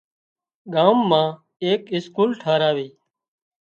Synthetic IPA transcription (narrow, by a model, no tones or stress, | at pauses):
ɠaːmːãː | eːkɪskuːlʈʰaːɾaːʋeː